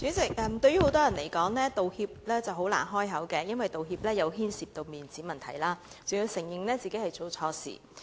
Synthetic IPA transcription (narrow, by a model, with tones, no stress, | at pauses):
t͡syː˨˥t͡sɪ˨˩k̚ʔɛː˨˧mt̪ɵ˧ɥjyː˥ho˨˧˥wt̪ɔː˥jɐ˨˩nle˨˩jkɔː˨˥ŋlɛː˥t̪o˨whiː˧p̚lɛː˥t͡sɐ˨˩who˨˥wla̰ː˨˩nɦɔː˥jɦɐ˨˥wkɛː˧jɐ˥nwɐ˨jt̪o˨wɦiː˧p̚lɛː˥jɐ˨˧wɦiː˥nsiː˨˩p̚t̪o˧wmiː˨˩nt͡siː˨˥mɐ˨nt̪ʰɐ̰˨˩jlaː˥ | t͡so˨jiː˧wsɪ˨˩ŋjɪ˨ŋlɛː˥t͡siː˨ke˨˥jhɐ˨jt͡so˨wt͡sʰɔː˧sḭː˨˩